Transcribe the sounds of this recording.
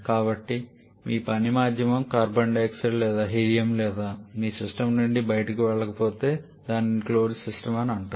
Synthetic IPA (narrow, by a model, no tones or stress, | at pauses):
kaːbɐʈːi | miːpɐnimaːd̪ʱjɐmɐmkaːɾbɐɳɖeːksɐɾlɛːd̪aːɦiːɾijɐmlɛːd̪aːmiːsisʈɐmnuɳɖibɐjɐʈɐkiʋɛɭːɐkɐpoːt̪e̞ː | d̪aːnikloːɾd͡ʒsisʈɐmɐniɐɳʈaː